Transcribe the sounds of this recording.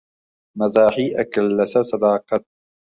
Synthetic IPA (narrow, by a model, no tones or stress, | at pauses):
mazaːħiːʔakalːasasɑd̪ɑːqɑt̪̚